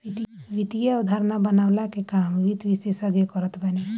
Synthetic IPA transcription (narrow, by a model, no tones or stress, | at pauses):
it̪ʋit̪ijaud̪ʱaɾnabənaʊlakekamʋit̪ʋisesəɡjekəɾət̪ʰbəni